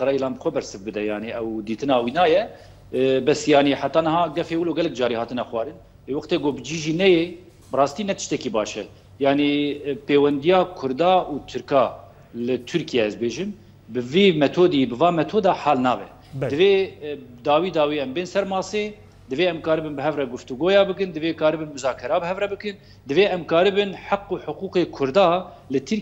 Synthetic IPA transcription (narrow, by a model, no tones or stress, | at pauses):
qɨɾɛilɑːnbɨxʷwɛbɛɾsɨvbɨd̪ɛjaːniʔɛwd̪iːt̪ɨnɑːwiːnɑːjɛ | bɛsjɑːniħat̪ːɑːnɨhɑːɡɛfeːwuloːɡɛlɛkd͡ʒɑːɾiːhɑːt̪ɨnɛxʷwʷɑːɾɨn | leːwɑxt̪eːɡoːbɨd͡ʒiʒiːnɛje | bɨrɑːst̪iːnɛt̪ɨ̥ʃt̪ɛkiːbɑːʃɛ | jaːnipeːwɛnd̪ijɑːkʰʊɾd̪ɑːʔuːt̪ʰɨɾkɑː | lɨt̪ʰɨɾkijɛɛzbeːʒɨm | bɨviːmɛt̪ʰoːd̪ibɨvɑːmɛt̪ʰoːd̪ɑːħɑːlnɑːbɛ̰ | d̪ɨveːd̪ɑːwiːd̪ɑːwiːɛmbeːnsɛɾmɑːseː | d̪ɨveːɛmkɑːɾɨbɨnbɨɦɛvrɛɡʊft̪uɡoːjɑːbɨk̬ɨnd̪ɨveːkɑːɾɨbɨnmɨzɑːkʰɛɾɑːbɨɦɛvrɛbɨkɨn | d̪ɨveːɛmkɑːɾɨbɨnħaqːuːħʊquːqeːkʰʊɾd̪ɑː | lɨt̪ʰɨɾ